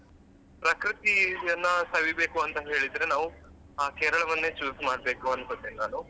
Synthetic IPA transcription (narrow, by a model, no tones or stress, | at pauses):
pɾɐkɾit̪iɐnːɐsɐʋibeːkuɐnt̪ɐɦe̞ːɭid̪ːɐɾe̞naːʋu | aːkeːɾɐɭɐʋɐnːeːt͡ʃuːsmaːɽbe̞ːkuɐnːusɐd̪eninaːnu